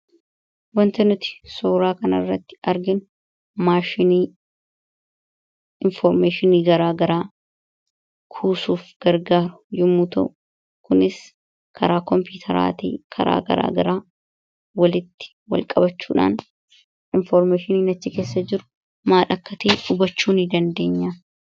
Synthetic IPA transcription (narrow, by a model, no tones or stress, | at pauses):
wɐnt̪ɐnʊt̪ɪ̥soːɾaːkɐnɐrːɐt̪ːɪ̥ɐɾɡɪn | maːʃɪniː | ɪnfɔɾmeːʃɪniːɡɐɾaːɡɐɾaː | kʰuːsuːfɡ̥ɐɾɡaːɾʊjʊmːuːt̪ɐ̰ʔʊ | kʊnɪs | kʰɐɾaːkɔmpuːt̪ʰɐɾa̰ːt̪ḭːkʰɐɾa̰ːɡɐ̰ɾa̰ːɡɐɾaː | wɐlɪt̪ːɪ̥ | wɐ̰lkʼɐbɐt͡ʃːuːᶑa̰ːn | ɪnfɔɾmeːʃɪniːnɐt͡ʃːɪke̞ːsːɐd͡ʒɪɾʊ̥ | maːᶑɐkːɐt̪eːᶑʊbɐt͡ʃːuːnɪd̪ɐnd̪eːɲːaː